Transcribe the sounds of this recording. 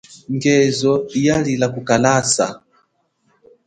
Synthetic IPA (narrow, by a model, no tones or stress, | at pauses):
ŋɡɛzɔjalilakukalasa̰